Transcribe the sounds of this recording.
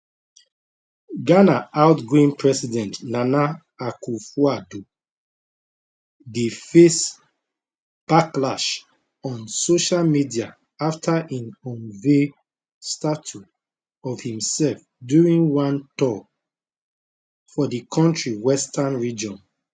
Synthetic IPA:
ɡanaʔaʊtɡĩnpʰɹɛsidɛ̃ntnana | akufuado | difes | b̥aklaʃ | ɔ̃nsoʃalmidia | aftʰaʔĩnɔ̃nve | statu | ɔvhĩmsɛlf | djuɹĩŋwãntɔ | fɔdikʰɔ̃ntɹiwɛstʰanɹid͡ʒɔ̃n

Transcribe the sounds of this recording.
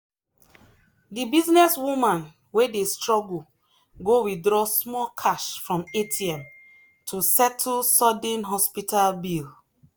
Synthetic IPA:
dibiznɛswumãn | wedestɹɔɡu | ɡowidɹɔsmɔlkʰaʃfɹɔ̃metʰiɛ̃m | tʰusɛt̩ʰsɔd̩nɦɔspitalbil

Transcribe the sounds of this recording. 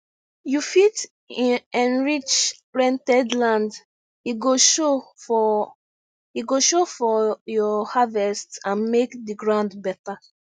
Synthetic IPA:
jufit | ĩɛ̃nɹit͡ʃ | ɹɛ̃ntɛdlãnd | iɡoʃo | hiɡoʃofɔjɔhavɛstãnmekdiɡɹãʊ̃ndbɛta

